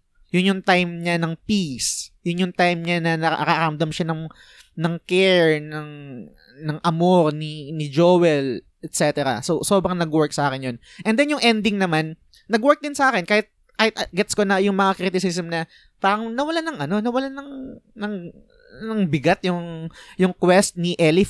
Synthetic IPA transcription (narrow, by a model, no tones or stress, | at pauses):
jʊnjʊŋt̪ajmɲanɐŋpisjʊnjʊŋt̪ajmɲanɐnɐʔkaɾand̪ɐmʃanɐŋ | nɐŋkɛɹnɐŋ | nɐŋʔɐmoɾninɪd͡ʒoːwɛl | ʔɛt̪̚sɛt̪ɛɾɐ̰soso̞ːbɾɐŋnɐɡwɛɹk̚sɐʔaːkɪnjon | ʔɛnd̪ɛnjʊŋʔɛnd̪ɪŋnɐmanː | ɐɡwɛɹk̚d̪ɪnsɐʔaːkɪnkaːhɪt̪̚ | kaːhɪt̪ʔɐɡɛt̪skonɐjʊŋmɐŋakɾit̪ɪsɪsɐmnɐ | paːɾɐŋnɐwɐlanɐŋʔɐno̞nɐwɐlanɐŋnɐŋ | nɐŋbɪɡat̪jʊŋjʊŋkwɛst̪̚nɪʔɛlɪ